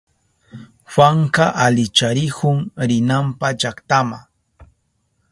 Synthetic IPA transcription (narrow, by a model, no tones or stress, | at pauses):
xwaŋkaʔalɪt͡ʃaɾɪkʊŋɾɪnampad͡ʒakt̪ama̰ŋ